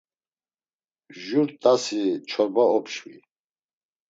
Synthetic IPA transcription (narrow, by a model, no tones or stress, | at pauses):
ʒuɾt̪ʼasit͡ʃʰɔɾbaɔpʰʃwi